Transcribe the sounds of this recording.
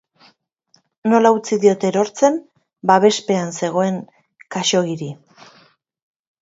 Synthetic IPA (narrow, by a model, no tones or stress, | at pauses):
no̞laut͡siðio̞t̪eɾo̞ɾt͡se̞m | baβe̞spe̞anse̞ɣ̞o̞e̞ŋ | kaʃo̞ɣiɾi